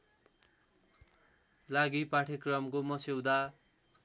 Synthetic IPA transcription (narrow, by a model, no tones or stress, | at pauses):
laɡipaʈʰekrʌmkomʌsewd̪a